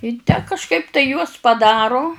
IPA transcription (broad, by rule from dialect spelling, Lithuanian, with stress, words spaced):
ɪ tʲæː kɐʃˈkɐɪp tɐɪ juɔs pɐˈdɑːrʊ